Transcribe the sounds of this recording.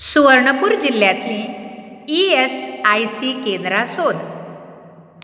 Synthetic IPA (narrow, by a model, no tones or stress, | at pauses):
suʋəɾɳəpuːɾd͡ʑilːjat̪ʰĩ | iesajsikend̪ɾasod̪